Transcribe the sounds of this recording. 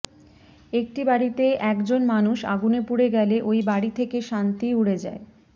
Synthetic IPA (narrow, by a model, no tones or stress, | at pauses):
ek̚ʈibaɽit̪eʔɛkd͡ʑonmanuʃa̰ɡunepuɽeɡɛleʔojbaɽit̪ʰekeʃant̪iuɽed͡ʑa̰e